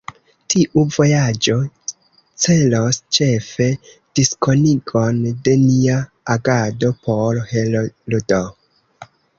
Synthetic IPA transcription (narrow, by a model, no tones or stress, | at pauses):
tʰiʔuvo̞jad͡ʒo̞ | t͡se̞lost͡ʃe̞fe̞ | d̥isko̞niɡo̞nde̞nia | aɡado̞pʰo̞ɾhelodo